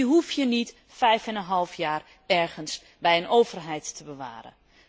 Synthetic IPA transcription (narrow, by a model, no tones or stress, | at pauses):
ɦufjənit | fɛjfənənɦɑlˠfjaːr | ɛɹχəns | bɛjənʔoːvərɦɛjtːəbəʋa̰ːɾə̰